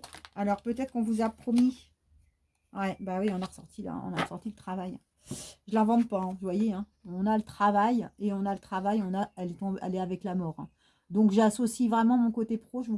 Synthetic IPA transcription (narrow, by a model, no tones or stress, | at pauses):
alɔʁpøt̪ɛt̪χə̥kɔ̃vuzapχɔmi | wɛbawiɔ̃naʁəsɔʁt̪ʰila̰ɔ̰̃naʁəsɔʁt̪ilət̪χavajɛ̃ | ʒəlãvɑ̃d̪paɛ̃vəvwajeɛ̃ɔ̃nalət̪χavajeɔ̃nalət̪χavajɔ̃naɛlɛt̪ɔ̃bɛ̰lɛavɛklamɔʁɛ̰̃ | d̪ɔ̃kʒasosivʁɛmɑ̃mɔ̃kot̪epχoʒəvu